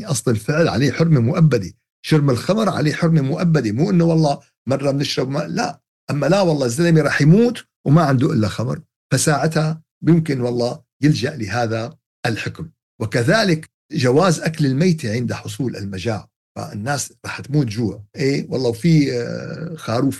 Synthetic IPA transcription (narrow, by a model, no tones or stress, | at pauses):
ʔɑsˤlɪlfɪʕlʕa̰leːħʊɾmimʊʔabːad̪i | ʃʊɾmɪlxamɾˤʕa̰leːħʊɾmimʊʔabːad̪imuːʔɪnːuwɑlˤːɑː | mɑrˤːɑmɪnɪʃɾˤɑbmala̰ | ʔamːalawɑlˤːɑːzːalmiɾˤɑːħjmuːt̪ | wmaʕɪnd̪uʔɪlːaxamɾˤ | fasaːʕɪt̪ha | bjɪmkɪnwɑlˤːɑː | jɪld͡ʒaʔlɪɦaːða | ʔɪlħɪkm | wɪkaðaːlɪk | ʒawaːzʔaklɪlmajt̪iʕɪnd̪aħʊsˤuːlɪ̰lmad͡ʒaːʕ | fa̰ɪnːaːsɾˤɑːħt̪muːt̪ʒuːʕʔeːwɑlˤːɑːwfi | xaːɾuːf